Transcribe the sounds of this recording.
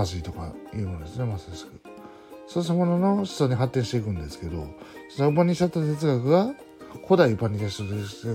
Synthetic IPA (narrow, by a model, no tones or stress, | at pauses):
as̬ɨit̪o̞ka̰jɯ̟ːmonod̪e̞sɨne̞masskɯ | soːamonono̞ɕi̥t͡soɲ̟iɦat̪ːẽɕit̪e̞ikɯ̟̃nd̪e̞sɨ̥ke̞d̪o̞̰sonoɯpãɲ̟ʲːiɕat̪ːat̪e̞t͡sɨɡakɯ̟ɡa | kʰo̞d̪aiɯpaɲ̟ːit̪aɕi̥t̪od̪et̪e